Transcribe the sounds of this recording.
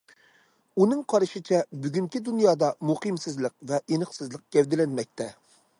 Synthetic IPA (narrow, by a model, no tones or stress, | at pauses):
unɨŋqʰɑɾɨʃɪt͡ʃʰɛbyɡʲyŋkʲid̪unjɑːd̪ɑmuqɨmsɨzlˠəq̚vɛʔenəχsɨzlˠəq̚ɡ̥ʲɛwd̪ɪlɛnmɛk̚ʲt̪ʰɛ